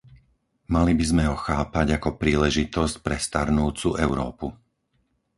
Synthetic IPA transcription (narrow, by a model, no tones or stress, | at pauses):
malibizmɛɦɔxaːpaɟakɔpɾiːlɛʒit̪ɔscpɾɛst̪aɾnuːt͡suʔɛʊɾɔ̰ːpu